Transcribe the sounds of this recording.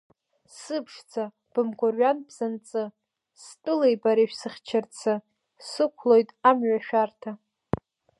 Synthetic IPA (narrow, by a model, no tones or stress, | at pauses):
sɨpʰʂt͡sʰa | b̥ɨmɡʷʼorɥanbzant͡sʼɨ | stʼʊlejbaɾeʃᶣsɨχʲt͡ʃʰart͡sʰɨ | sɨkʷʰlojtʼamɥaʃᶣartʰa